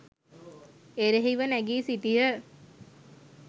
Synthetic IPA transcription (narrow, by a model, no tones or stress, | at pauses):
eɾeɦiʋənæɡiːsitijə